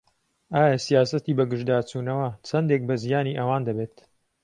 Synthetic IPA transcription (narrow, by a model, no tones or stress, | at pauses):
ʔaːjɐsijaːsɐt̪iːbɐɡɨʒd̪aːt͡suːnɐwɐt͡sʰɐnd̪ek̚bɐzijaːniʔɐwaːnd̪ɐbeːt̪